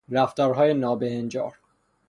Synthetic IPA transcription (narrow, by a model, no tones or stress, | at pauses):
ɾæft̪ɒːɾɦɒːjenɒːbehend͡ʒɒːɾ